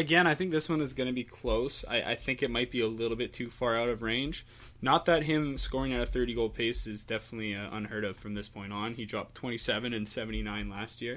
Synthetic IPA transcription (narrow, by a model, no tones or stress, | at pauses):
ɨɡɛ̃ɾ̃naɪθɪ̃ŋk̚ðɪswʌ̃nɨzɡʌñɨbikʰl̥oʊsa̰ɪʔa̰ɪθɪ̃ŋkɨt̚maɪt̚b̥iəlɪɾl̩ˠbɪtʰʉfɑɹaʊɾʌvɹẽɪ̃nd͡ʒ | nət̪̚ðɨt̚ɦɪ̃mskɔɹɪ̃ŋaʊɾɨθɜ˞ɾiɡoʊlˠd̚pʰeɪsɨzdɛfənətˡliɨʔʌ̰̃nhɜ˞ɾʌv̥fɹʌ̃mðɪspʰɔ̃ɪ̃ntn̩idɹɑp̚tʰw̥ɛ̃ɾ̃isɛvɨ̃nɨ̃nsɛvɨ̃n̩tinãɪ̃nlæst̚jɪɹ